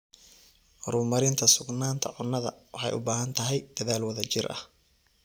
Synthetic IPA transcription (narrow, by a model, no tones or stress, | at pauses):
rʊːmɐɾɪnt̪ʰɐsʊɡnaːnt̪ʰɐ̰ʕʊnːɐðɐ̰wɑħɑ̰jʔʊ̰baːɦɐnt̪ʰɐɦɛjd̪̥ɐðaːlwɐðɐt͡ʃɪrʔɐ̰h